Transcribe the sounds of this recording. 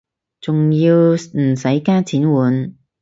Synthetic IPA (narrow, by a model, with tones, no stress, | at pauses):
t͡sʊ˨ŋjiː˧wm̩˨˩sɐ˨˥jkaː˥t͡sʰiː˨˥nwuː˨˥n